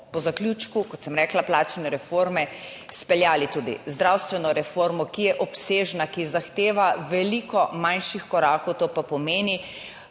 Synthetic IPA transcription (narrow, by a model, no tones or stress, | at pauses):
pɔzaklʲjuːt͡ʃkukɔt̪sɛmɾɛːklaplaːt͡ʃnɛɾɛfoːɾmɛ | spɛljaːlit̪uːd̪ḭzd̪ɾawst̪ʋɛnɔɾɛfoːɾmɔkijɛʔɔpseːʒnakizaxt̪eːʋaʋɛlikɔmanʃixkɔɾaːkɔwt̪oːpapɔmeːni